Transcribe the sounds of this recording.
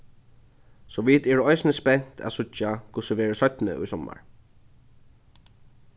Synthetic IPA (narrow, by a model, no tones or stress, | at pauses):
sɔʋit̪ɛːɾəɔjsnəspɛn̥t̪ʰæ̰sʊt͡ʃakʰʊsəʋɛːɹəsœt̪nə̰ʔʊ̰jsɔmːa̰ɹ